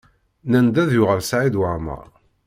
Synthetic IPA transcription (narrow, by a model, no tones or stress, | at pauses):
nænd̪æðjʊʁəlsʕid̪wəʁmə̰ʁ